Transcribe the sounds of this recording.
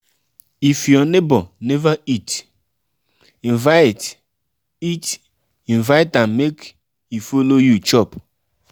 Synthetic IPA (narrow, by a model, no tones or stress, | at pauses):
ifjɔnebɔnɛvait | ĩnvaɪt | it | ĩnvaɪtãnmek | ifolojut͡ʃɔp